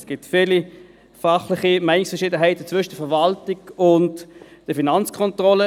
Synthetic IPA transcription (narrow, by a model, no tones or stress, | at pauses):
sɡ̥ɪtfiːli | fɑχlɪχimɛɪnɪksfəɐʁʃiːdəɦæɪtət͡sʋʏʃəd̥əfɛvaltiɡʊntd̥əfinant͡skʰɔntʁɔlə